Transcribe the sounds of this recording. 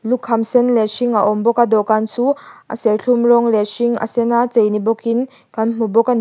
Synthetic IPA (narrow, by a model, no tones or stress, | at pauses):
lukʰhamsɛnlɛsiŋaʔɔmbɔkad̪ɔkansuʔa̰sɛlɬʰumrɔŋlesiŋa̰sɛnat͡sejnibɔkin | kanm̥ubɔkani